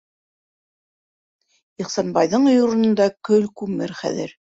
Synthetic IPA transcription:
iχsɑnbɑjðɤɴŏjŏɾŏnŏnd̪ɑkɵlkʉmɘɾχæ̰ðɘ̰ɾ

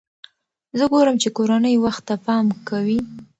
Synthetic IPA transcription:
zəɡoɾəmt͡ʃekoɾanəjwaxt̪ːapɑmkawi

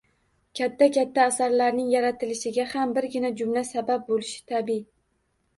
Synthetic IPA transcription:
kʲʰat̪ʰːakʲat̪ʰːaːsaɾlaɾnɪŋjaɾat̪ʰɪlɪʃɪɡʲahambɪɾɡʲɪnad͡ʒʊmlasabap̚bolɪʃɪ̥t̪ʰabi

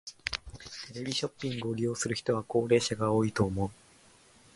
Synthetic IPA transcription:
t̪e̞ɾe̞bʲiɕo̞pʲːĩŋɡɯ̟oɾʲijo̞ːsɨɾɯ̟çi̥t̪o̞β̞ako̞ːɾe̞ːɕaɡao̞ːit̪o̞ːmo̞ɯ

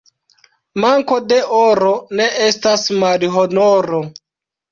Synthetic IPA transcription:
maŋko̞de̞ʔoɾo̞ne̞ʔe̞stasmalɦonoɾo

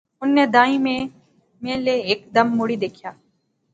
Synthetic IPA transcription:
ʊnːeːd̪aːĩːmẽ | mẽːleːeːkd̪ɐmːʊɽid̪eːkʰjaː

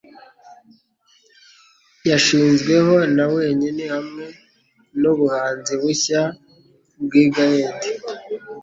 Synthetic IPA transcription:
jaʃiːnzɡwe̞ho̞nawe̞ːɲinehamŋe̞ | nuβuhaːnziβuça | bɡiːɡaheːndi

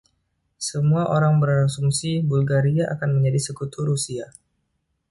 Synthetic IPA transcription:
səmuaʔoɾaŋbəɾasumsibulɡaɾiaʔakanməɲd͡ʒadisəkut̪uɾusia

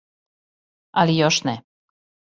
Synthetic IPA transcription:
alijoʃnɛ

